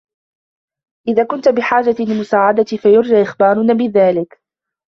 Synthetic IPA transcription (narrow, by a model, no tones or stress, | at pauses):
ʔɪðaːkʊnt̪abɪħaːd͡ʒalɪmʊsaːʕad̪at̪ifajʊɾˤd͡ʒaːʔɪxbaːɾˤʊnaːbɪðaːlɪk